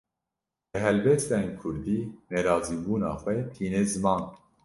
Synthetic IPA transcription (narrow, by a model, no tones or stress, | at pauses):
bəɦɛlbɛst̪ɛnkʰʊɾd̪iːnɛɾɑːziːbuːnɑ̰ːxʷɛt̪ʰiːnezɨmɑːn